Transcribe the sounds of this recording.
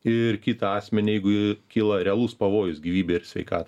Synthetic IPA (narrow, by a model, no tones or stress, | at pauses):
ɪɾkʲiːt̪ɐɑːsʲmʲɛnʲijɛɪɡʊɪkʲiːlˠɐɾʲɛɐlˠuspɐʋoːjʊsɡʲiːʋʲiːbʲeːɪɾsʲʋʲɛɪkɑːt̪ɐ